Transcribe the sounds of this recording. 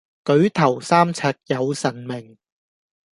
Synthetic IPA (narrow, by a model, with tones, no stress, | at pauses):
kɵ˨˥ɥt̪ʰɐ˨˩wsaː˥mt͡sʰaː˧t̚jɐ˨˧wsɐ˨˩nmɪ˨˩ŋ